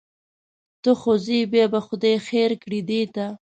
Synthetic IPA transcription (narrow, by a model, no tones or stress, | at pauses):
t̪əxozibjɑbaxʊd̪ɑjxeɾkɽid̪et̪a